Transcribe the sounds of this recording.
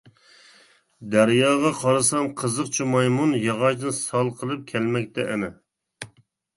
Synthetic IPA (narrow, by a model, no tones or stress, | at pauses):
d̪æɾjɑːʁɑqʰɑɾɨsɑmqʰəzəqt͡ʃʰimɑjmunjɑʁɑʃd̪ɨnsɑlˠqʰəlˠɨp̚kʲʰɛlmɛk̚ʲt̪ʰɛʔɛnɪ